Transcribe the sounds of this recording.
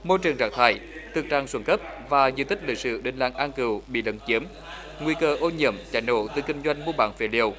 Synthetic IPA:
mo˧jt͡ɕɨ˨˩əŋzaː˧˩ŋ̚t̪ʰaː˧˩jt̪ʰɨ˨˩k̚t͡ɕaː˧˩ŋswə˧˩nkə˦˥p̚vaː˨˩zɨ̰˧˨t̪ʰï˥k̟̚lï˧˩k̚sɨ̰˧˨ɗe˨˩nla̰ː˧˩ŋʔaː˧nkɨ˨˩wɓḭ˧˨lə̰˧˦nt͡ɕi˨˦əm | ŋwi˧kəː˧ʔo˧ɲḭ˧˨əmt͡ɕa̰ː˧˩jno̰˧˨t̪ɨ˨˩kï˧ŋ̟zwa˧jŋ̟mu˧ɓa̰ː˧˩nfḛ˧˩˦li˧˩əw

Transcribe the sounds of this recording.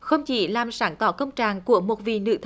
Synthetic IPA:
xə˧wŋ͡mt͡ɕḭ˧˩˦laː˨˩msaː˧˦nt̪ɔ˧˩˦kə˧wŋ͡mt͡ɕaː˨˩ŋku˧˩əmo˨˩t̚vḭ˨nɨ̰˧˥t̪ʰ

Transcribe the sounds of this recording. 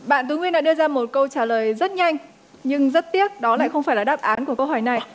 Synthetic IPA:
ɓa̰ː˧˨nt̪̬u˨˦ŋwi˧nɗa̰˧˥ɗɨ˧əzaː˧mo˨˩t̚kə˧wt͡ɕaː˧˩ləː˨˩jzə˦˥t̚ɲa˧jŋ̟ | ɲɨ˧ŋzə˦˥t̚t̪i˦˥ət̚ɗɔ˨˦la̰ː˧˨jxə˧wŋ͡mfaː˧˩jlaː˨˩ɗaː˦˥p̚ʔaː˨˦nku˧˩əkə˧wɦɔ˧˩jna˨˩j

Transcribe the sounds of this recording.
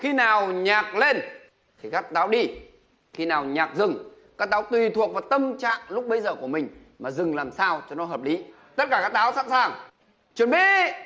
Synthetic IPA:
xi˧naː˨˩wɲaː˨˩k̚le˧n | t̪ʰi˨˩kaː˦˥k̚t̪aː˨˦wɗi˧ | xi˧naː˨˩wɲaː˨˩k̚zɨ˨˩ŋkaː˦˥k̚t̪aː˨˦wt̪wi˨˩t̪ʰu˨˩ək̚vaː˨˩t̪ə˧mt͡ɕa̰ː˧˨ŋlʊ˦˥k͡p̚ɓə˨˦jzəː˨˩ku˧˩əmï˨˩ŋ̟ | maː˨˩zɨ˨˩ŋlaː˨˩msaː˧wt͡ɕɔ˧nɔ˨˦ɦəː˨˩p̚li˨˦ | t̪ə˦˥t̚kaː˧˩kaː˦˥k̚t̪aː˨˦wsa̰ː˧˥nsaː˨˩ŋ | t͡ɕwə˨˩nɓḭ˧˨

